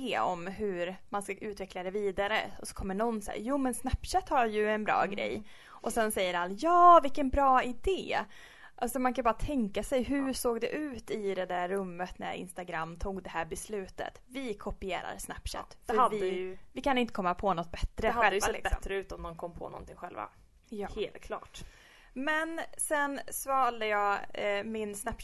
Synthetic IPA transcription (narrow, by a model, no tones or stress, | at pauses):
ɔ̰mɦɵɾmanskaʔʉ̟ːt̪vɛklad̪ɛviːd̪aɾə̰ɔsɔ̥kʰɔmːəɳɔnsæ̰ːjuːmɛnsnæpːʂɛt̪haɾjɵɛnbɾɑ̰ːɡɾɛ̰j | ʔɔsɛnsɛjːəɾalːjɑːvɪkːənbɾɑːɪd̪eː | ʔalsɔmankʰanbɑːɾat̪ʰɛŋkasɛjɦɵsoːɡd̪ɛʔʉ̟ːt̪ɪd̪ɛd̪æɾːɵmːət̪næ̰ɾɪ̰nst̪aɡɾamːt̪ʰuːɡd̪ɛhæːɾbɛslʉ̟ːt̪ə̰t̪vɪkʰɔpɪeːɾa̰ɾsnæpːʂɛ̰t̪ːfœɾvɪjvɪkʰanɪnt̪əkʰɔmːapʰɔnɔt̪̚ːbɛt̪ːɾəhaɧɛləjvaɛɪ̰bɛmːɾəʉ̟ːt̪ɔmd̪ɔmkʰɔmːpʰɔ̰nɔ̰nt̪ʰɪŋɧɛlva̰ | jheːlt̪̚kʰlɑ̰ːʈ | mɛnsɛnsvɑːldəjɑːmɪnsnɛp